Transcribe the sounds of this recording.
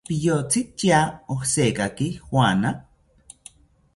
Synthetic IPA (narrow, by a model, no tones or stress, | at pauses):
pijot͡sitiaohsekakixwana